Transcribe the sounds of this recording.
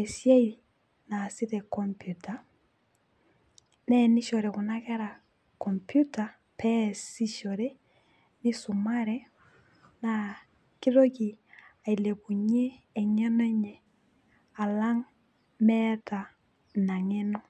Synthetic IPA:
ɛ˨sje˦i | na˨sɪ˦tɛ˨kɔ˨mpju˨ta˨ | nɛ˦nɪ˦ʃɔ˨ɾɛ˨kʊ˨na˦kɛ˦ɾa˨ | kɔ˨mpju˦ta˨ | pɛ˦si˦ʃɔ˨ɾe˦ | nɪ˦sʊ˨ma˦ɾɛ˦ | na˨ | ki˦ɾo˦ki˨a˨i˨le˨ku˨ɲeː˦˨ɲɛ˦nɛ˦ɲɛ˨ | a˨la˦ŋ | mɛ˦ta˨ | na˨ŋe˦nɔ˦

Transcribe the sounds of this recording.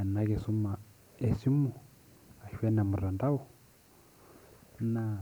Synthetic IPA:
na˦ke˨su˦ma˨ | e˨si˦mu˨ | a˨ʃɛ˦na˨mu˨ɾa˨nda˦u˨ | na˦˨

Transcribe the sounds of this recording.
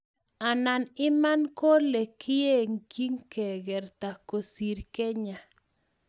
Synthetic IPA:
a˨na˨nɪ˦ma˦nko˦le˨kʰi˦e˦˨ŋki˦ŋke˨ɡɛ˨ɾt̪a˨ko˨si˨ɾke˦ɲa˨

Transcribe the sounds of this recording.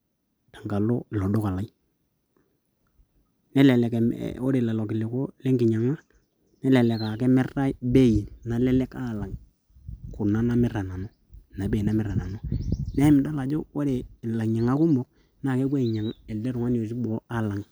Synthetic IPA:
ta˨ŋɡa˨lo˦˨lɔ˨do˦ka˨la˨˦j | nɛ˦lɛ˨lɛ˨ko˦ɾe˨la˨lɔ˨kɪ˨lɪ˨ko˦lɛ˦ŋɡɪ˨ɲa˨ŋa˦ | nɛ˦lɛ˨lɛ˨ka˨kɛ˦mɛ˦ra˦be˦˨ji˨na˨lɛ˦lɛ˦ka˦˨la˨ŋ | kʊ˨na˦na˦mɪ˦ɾa˨na˨no˦ | na˨be˦˨i˨na˦mɪ˦ɾa˨na˨no˦nɛ˦ɪ˦mɪ˨da˦la˨d͡ʒo˦o˦ɾe˨la˨ɲa˨ŋa˦kʊ˦mbʊ˨k̚ | na˦˨kɛ˦kwe˦˨ɲa˨ŋɛ˨ldɛ˦ɾʊ˨ŋa˦n˦˨o˨s̬i˦bɔ˨˦a˦la˨ŋ

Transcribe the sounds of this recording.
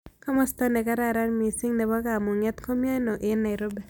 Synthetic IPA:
kɔ˦mɔ˦st̪ɔ˦ne˨ka˦ɾa˦ɾa˦nmi˨sɪ˦ŋnɛ˨bɔ˦ka˨mo˨ŋɛ˦t̪ko˦mjo˦no˨ʔɪ˦nːa˨ɪ˨ɾo˦bɛ˨

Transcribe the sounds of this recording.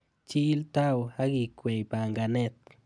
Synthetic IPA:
t͡ʃi˦lt̪a˦wa˦ɡi˧kʷe˨jba˨ŋɡa˨ne˦t̪

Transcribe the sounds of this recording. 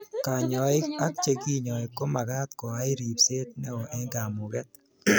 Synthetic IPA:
ka˨ɲɔ˨ɪ˦a˦kt͡ʃe˨ki˦ɲɔ˨e˨kːo˦ma˨ɡa˦t̪kɔ˨a˦ɪ˦ɾi˨pse˦t̪nɛ˦ɔ˨ʔɛ˦ɡa˨mʊ˨ɡɛ˦t̪̚

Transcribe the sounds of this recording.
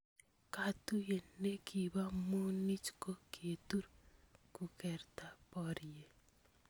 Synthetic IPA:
kat̪u˦je˨nːe˦kʰi˨βa˦mu˦ni˦t͡ʃko˦kʰe˨tuɾku˨kɛɾt̪a˦pɔɾije

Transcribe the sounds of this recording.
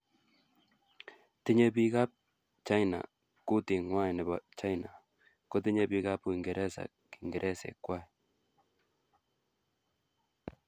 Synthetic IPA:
ti˦ɲe˦bi˦ka˦p̚ | t͡ʃa˦jna̰˨ | ku˦ti˨ŋwa˦i˨nɛ˨ba˨t͡ʃa˦jna˨ | ko˦t̬i˦ɲe˦bi˦ka˦pu˦i˨ŋɡe˨ɾʔɛ˦sa̰˨ | ki˨ŋɡe˨ɾʔɛ˦sɛ̰˨kwa˦˨i

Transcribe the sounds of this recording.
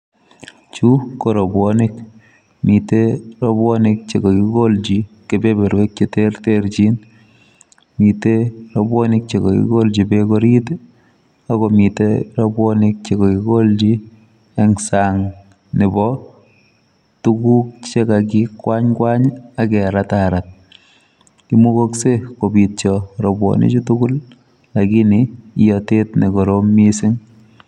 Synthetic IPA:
t͡ʃu˦koɾɔ˨bwɔnik | mi˨teɾɔbwɔ˦nik̚t͡ʃe˨ko˨ki˦ko˦ld͡ʒi˨ke˨be˦be˨ɾwe˦k̚t͡ʃete˦rteɾt͡ʃi˦n | mi˨teɾobɔ˦ni˦k̚t͡ʃe˨kɔ˨kḭ˦ko˦ld͡ʒi˨bekoɾi˦t | a˦kɔ˨mi˨teɾɔ˦bwɔnik̚t͡ʃe˨ko˨ki˨ko˦ld͡ʒi˦ | e˦ŋsaŋ | nɪ˨bɔ | tu˦ku˦k̚t͡ʃe˦ka˨k̬ikwa˦ɲkwa˦ɲa˨kɛ˨ɾataɾa˨t̚ | ki˦mu˦ko˦kse˦ko˨bi˨t̚t͡ʃɔɾɔ˨bwɔ̰nḭ˦t͡ʃi˦tu˦ku˦l | a˨ki˦niijɔte˦tne˨ko˨ɾo˦mi˦sɪ˦ŋ

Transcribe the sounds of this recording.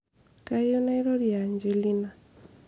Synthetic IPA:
ka˦iɔ˦na˦iɾɔ˦ɾjaɲd͡ʒe˨li˦na˨

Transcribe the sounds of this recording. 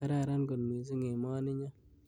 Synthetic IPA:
a˦ɾa˨ɾa˦nɡo˨nmi˨s̬i˦ŋe˨mɔː˦nɪ˦ɲa˦

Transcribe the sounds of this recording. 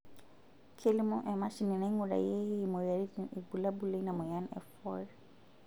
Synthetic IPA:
kʰe˦limɔ˦ʔɛ˨ma˦ʃini˨na˦ŋuɾa̰˨je˦mɔ˨jaɾii˨ɡu˨la˦bule˦na˨mɔ˨janɛ̰˨fɔɾ

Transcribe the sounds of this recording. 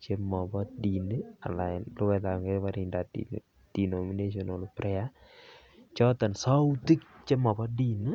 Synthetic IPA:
t͡ʃe˦mɔ˨bɔ˦di˨na˨la˨ɪ˨nlʊ˦wɛ˦d̪a˨ŋɡe˦pa˦ɾi˨nda˨ | d̥i˨nomi˦ne˦ʃ̬ɔno˨lpɾɛ˦a˦ | t͡ʃɔ˦t̪ɛ˨nsɔ˦ut̪i˦k̚t͡ʃe˦mɔ˨bɔ˦di˦˨n˦

